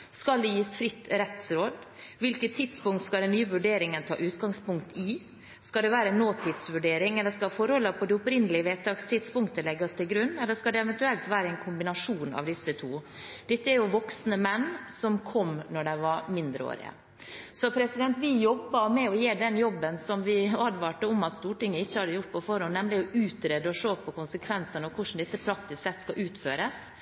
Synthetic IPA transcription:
skɑld̪ɛjiːsfɾɪt̪ːɾɛt̪sɾoːd̪ | ʋɪlkət̪ʰːɪd̪spʊŋt̪skɑld̪ɛnːyːəʋʉɖeːɾɪŋənt̪ʰɑ̰ːʔʉːt̪ɡɑŋspʊŋkt̪ɪ | skɑld̪ɛʋæːɾənoːt̪ʰɪːd̪sʋʉɖeːɾɪŋɛlːəskɑfɔɾhɔlːəpʰɔd̪ɛʊpɾɪnːəlɪəʋeːt̪ʰɑːɡst̪ʰɪd̪spʊŋkt̪əlɛɡɑst̪ɪlɡɾʉnːɛlːəʂkɑld̪ɛɛʋɛnt̪ʉɛlt̪ʋæːɾəɛnkʰʊmbɪnɑʂuːnɑ̰ʋd̪ɪsːət̪ʰuː | d̪̥ɛt̪ːəæɾjʊʋɔksnəmɛnːsɔmkʰɔmnɔɖɛɪʋɑɾmɪnd̪ɾəo̰ːɾɪ̰ə̰ | sɔpʰɾɛsɪd̪ɛnt̪ʋɪjɔbːɑmɛɔjeːɖɛnjɔbːənsɔmʋɪɑd̪ʋɑːʈəɔmɑt̪st̪uːʈɪŋːəɪçːəhɑd̪əjʊʈ̚pɔfɔɾhɔnːɛmlɪɔʉːt̪ɾɛd̪əɔʂoːpʰɔkʊnsəkʰʋɛnsənəɔkʰʊʂn̩d̪ɛt̪ːəpʰɾɑkt̪ɪsksɛt̪ːskɑʔʉːt̪føːɾəs

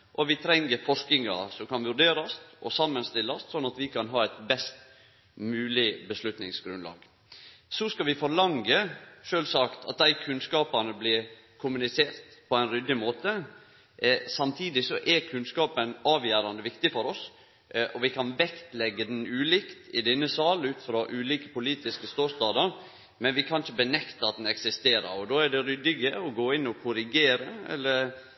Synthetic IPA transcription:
ʔɔʋɪt̪ʰɾɛŋːəɾfɔʂknɪŋɑ̰sɔmkʰɑnʋʉɖ̪eːɾɑst̪ʔɔsɑmːənst̪ɪlːɑssɔnːɑt̪ʋɪkʰɑnɦɑːæɪt̪bɛst̪ | mʉːlɪbəslʉt̪nɪŋsɡɾʉnlɑ̰ːɡ̥ | sɔskɑʋɪfɔɾlɑŋəʂøːlsɑkt̪ʰɑ̰t̪̚d̪æɪkʰʉnskɑːpɑnəblɪɾ | kʰʊmʉnɪseːɾt̪pʰɔæɪnɾʏd̪ːɪmoːt̪ə | sɑmt̪ʰiːd̪ɪsɔʔɛɾkʰʉnskɑːpənɑːʋjæːɾɑnd̪əʋɪkt̪ɪfɔɾɔs | ʔɔʋɪkʰɑnʋɛkt̪lɛɡːəd̪ɛn̩ʉːlɪkt̪ɪd̪ɛnːəsɑːlʉːt̪fɾɑːʔʉːliːkə̥pʊliːt̪ɪskəst̪oːst̪ɑːd̪əɾ | mɛnʋɪkʰɑnçəbənɛkt̪əɑt̪̚d̪ɛn̩ɛksɪst̪eːɾə̰ɾɔd̪oːæɖɛɾʏd̪ɪɡəɔɡoːɪnːɔkʰʊɾɪɡeːɾəɛ̰lːəɾ

